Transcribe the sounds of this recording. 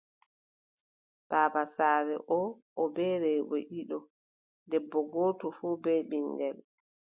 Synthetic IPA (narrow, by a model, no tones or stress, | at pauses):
b̥aːbasaːɾɛ̰ʔɔ | ʔɔbɛːɾɛbɔ̰ʔiɗɔ | dɛbːɔɡɔːtɔfuːbɛɓiŋɡɛl